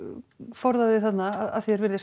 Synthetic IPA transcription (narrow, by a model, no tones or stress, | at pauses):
fɔɾðaðɪθat̪naaða̰ðfɛɾvɛɾðɪs